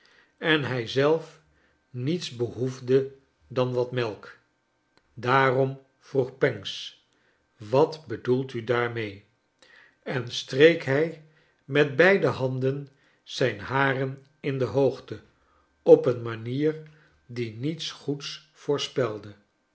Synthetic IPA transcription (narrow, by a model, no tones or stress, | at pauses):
ɛnɦɛjzɛlˠf | nitsbəɦuvdə | dɑnʋɑtmɛlˠk | daːrɔm | v̥ruχpɛŋs | ʋɑtbədulˠtydaːɹmej | ɛnstrejkɦɛj | mɛdbɛjdəɦɑndən | z̥ɛjnɦaːrən | ɪndəɦowχtə | ɔpənmaniːr | dinitsχuts | fʊːɹspɛlˠdə